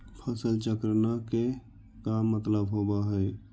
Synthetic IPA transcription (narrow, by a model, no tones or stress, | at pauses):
pʰəsəlt͡ʃəkɾnake | kamːət̪ləbɦobaɦɛɛ